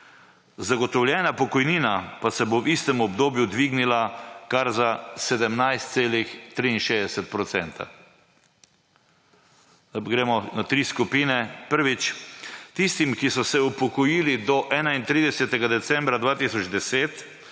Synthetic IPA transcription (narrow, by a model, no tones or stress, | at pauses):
zaɡɔt̪ɔwlʲjɛːnapɔkɔjniːnapasɛbowist̪ɛmɔbd̪oːbjud̪ʋiɡnilakaɾzasɛd̪ɛmnajst̪̚seːlixt̪ɾiinʃeːzd̪ɛsɛt̪̚pɾɔt̪sɛ̰nt̪ʰa̰ | ɡɾeːmɔnat̪ɾiːskupiːnɛpəɾʋit͡ʃt̪ist̪imkisɔsɛupɔkɔjilid̪ɔʔɛːnaint̪ɾiːd̪ɛsɛt̪ɛɡad̪ɛt̪sɛmbɾad̪ʋaːt̪isɔd͡ʒd̪ɛseːt̪